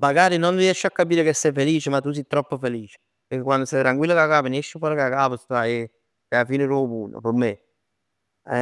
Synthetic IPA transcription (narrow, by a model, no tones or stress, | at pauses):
maɡaːɾinonɾiɛʃːeakːapiːɾekesːɛjfeliːt͡ʃemat̪ːus̬it̪ːɾɔpːofeliːt͡ʃe̥ | peɾkekwand̪osɛjt̪ɾaŋkwilːokakaːpinɛʃːɪpɔɾokakaːpəst̪ae | eafiːnɪɾɔpuːno̰peɾme | ɛ